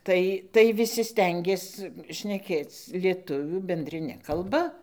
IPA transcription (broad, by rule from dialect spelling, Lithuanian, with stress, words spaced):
ˈtɐɪ tɐɪ ʋʲɪˈsʲɪ ˈsʲtʲɛŋʲɡʲeːs ʃʲnʲɛˈkʲeːt͡s lʲiɛˈtʊʋʲuː bʲɛnʲdʲrʲɪˈnʲɛ kɐlˠˈbɐ